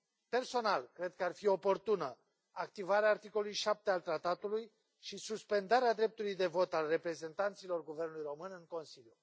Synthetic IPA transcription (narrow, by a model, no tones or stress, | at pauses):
pe̞rso̞nalkɾe̞d̪̚kəarfio̞po̞rt̪unə | akt̪ivaɾeaːrt̪iko̞lulujʃap̚t̪ealt̪ɾat̪at̪uluj | ʃisuspe̞nd̪aɾead̪ɾe̞p̚t̪ulujd̪e̞vo̞t̪alre̞pɾe̞ze̞nt̪ant̪silo̞rɡuvernulujro̞mɨnɨŋko̞nsilju